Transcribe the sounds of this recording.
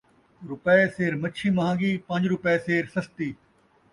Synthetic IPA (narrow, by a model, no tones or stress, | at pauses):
ɾʊpeseːɾmɐt͡ʃʰimɐɦãːɡiːpɐ̃ɲd͡ʒɾʊpeseːɾsɐst̪iː